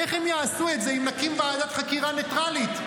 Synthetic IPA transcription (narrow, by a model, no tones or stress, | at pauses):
eχhemjaːsuetzeimnakimvaːdatχakiʁanetʁalit